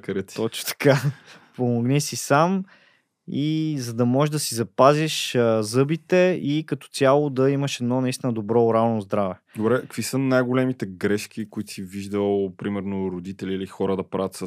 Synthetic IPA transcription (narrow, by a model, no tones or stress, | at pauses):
kɐɾət̪t̪ɔt͡ʃno̥t̪ɐ̥kapomoɡnɛsisam | izɐd̪ɐmɔʒeʒd̪ɐsizɐpaziʃəzɤbit̪ɛikɐt̪ɔ̥t̪sʲjalˠʊd̪ɐiməʃɛd̪nɔnɐist̪inəd̪obɾɔʊɾalˠnozd̪ɾavɛd̪obɾɛkkv̥isənajɡolɛmit̪ɛɡɾɛʃk̟ikʊit̪siviʒd̪əlˠpɾimɛɾnoɾod̪it̪ɛliːlixɔɾəd̪ɐpɾa̰vʲət̪sə